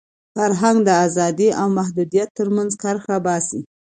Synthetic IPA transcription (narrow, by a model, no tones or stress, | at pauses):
faɾɦaŋɡd̪əazɑd̪iʔawmahd̪ud̪ijat̪ːəɾmanzkaɾxabɑsi